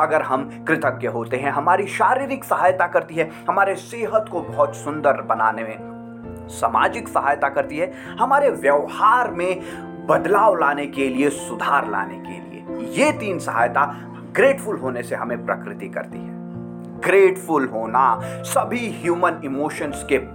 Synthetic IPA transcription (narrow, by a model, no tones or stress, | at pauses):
ɐɡəɾɦɐmkɾɪt̪əkːeɦoːt̪eɦɛ̃ɦɐmaːɾiʃaːɾiːɾɪksɐɦaːjt̪akɐɾt̪iɦɛ | hɐmaːɾeseːɦət̪kobɐɦʊt̪sʊ̃nd̪əɾbɐnaːnemẽ | saːma̰ːd͡ʒɪksɐɦaːjt̪akɐɾt̪iɦɛ | hɐmaːɾeʋjɐʋhaːɾmẽ | bɐd̪laːʋlaːnekeliesʊd̪ʱaːɾla̰ːnḛkḛlḭḛjet̪iːnsɐɦa̰ːjt̪a | ɡɾeːʈfʊlɦoːneseɦɐmẽpɾɐ̰kɾɪt̪ikɐ̰ɾt̪ḭɦɛ̃ː | ɡɾeːʈfʊlɦoːnasɐbʱiɦjuːmənɪmoːʃənske